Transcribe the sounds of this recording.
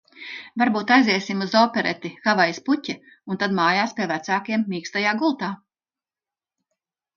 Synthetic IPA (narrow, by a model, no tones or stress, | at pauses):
vaɾbuːt̪ajziɛsimuzɔːpʲɛɾɛt̪ixavajisputʲɛ | unt̪ad̪maːjaːspʲiɛvæt̪saːkiɛmːʲiːkst̪ajaːɡulˠt̪aː